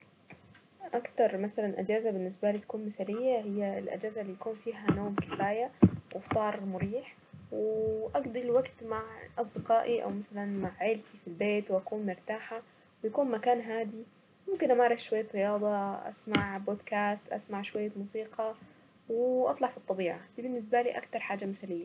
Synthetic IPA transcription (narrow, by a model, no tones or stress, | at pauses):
ʔakt̪ɑɾˤmasalanʔad͡ʒaːzabɪnːɪsbalit̪ḁkuːnmɪθaːlɪjːaɦɪjːalʔa̰d͡ʒaːzalːijakuːnfiːɦanoːmkɪfaːjawʔft̪ˤɑːɾˤmʊɾiːħ | wɪʔaɡd̪ɪlwaɡt̪maʕʔɑs̬ˤd̪ɪqɑːʔiʔa̰wmasalanmaʕʕeːlt̪ifilbeːt̪wʔakuːnmʊɾt̪aːħa | wɪjakuːnmakaːnɦaːd̪i | mʊmkɪnʔamaːɾˤɑθʃwajːat̪ɾɪjɑːd̪ˤɑʔa̰smaʕboːd̪kaːst̪ʔa̰smaʕʃwajːamuːsiːqʰɑ | wɪʔɑ̰t̪ˤlɑʕfit̪ˤːɑbiːʕad̪̥iːbɪnːɪs̬balḭːʔa̰kt̪ɑɾˤħaːd͡ʒamɪsalɪjːa